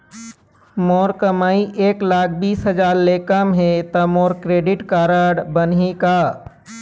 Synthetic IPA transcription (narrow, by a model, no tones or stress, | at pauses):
moːɾkəmaːiʔeːklaːk̚ʰbiːsɦəd͡ʒaːɾleːkəmɦet̪ɐmoːɾkɾeːɖɪʈkaːɾəɽbənɦikaː